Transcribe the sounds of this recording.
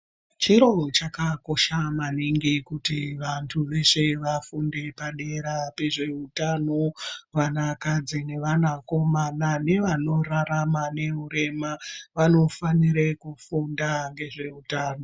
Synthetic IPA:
t͡ʃiɾo̞t͡ʃakako̞ʃamaniŋɡikutiʋantʰuʋe̞ʂe̞ʋafunde̞paɗe̞ɾape̞ʐe̞utano̞ʋanakad͡zine̞ʋanako̞manane̞ʋano̞raɾamane̞uɾe̞maʋano̞faniɾekufundaŋɡe̞ʐe̞utaːno

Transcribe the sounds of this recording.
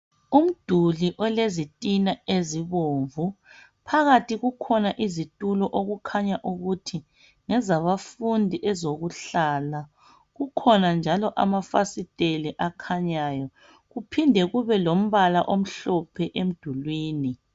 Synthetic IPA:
um̩d̥ʱuliʔɔlezitʼinaeziβoːɱvu | pʰaɣatʰʼiɣukʰɔnaʔizitʼulɔʔoɣukʰaɲaʔuɣutʰi | ŋɛzaβafundʱiʔɛzoɣuɬaːla | ɣukʰɔnand͡ʒʱalɔʔa̰mafasitʼeliʔakʰaɲajɔ | ɣupʰindʱɛɣuβɛlom̩βalaʔom̩ɬɔpʰɛʔem̩d̥ʱulwiːni

